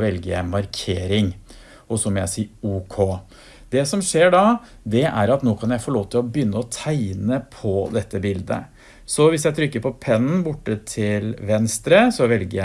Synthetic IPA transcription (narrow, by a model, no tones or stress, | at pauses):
ʋɛlɡəjæ̰ɪmɑɾkʰeːɾɪŋ | ɔsɔmɔjæ̰ɪsiːuːkʰoː | d̪ɛsɔmʂeːɖɑ | d̪ɛʔæ̰ɾɑt̪noːkʰɑnjæɪfɔloːʋət̪ʰɪlɔbjʏnːəɔt̪ʰæɪnəpʰɔd̪ɛt̪ːəbɪld̪ə̰ | sɔʋɪsjæɪt̪ʰɾʏkːəɾpʰɔpʰɛnːn̩bʊʈːət̪ʰɪlʋɛnst̪ɾəsɔʋɛlɡəjæ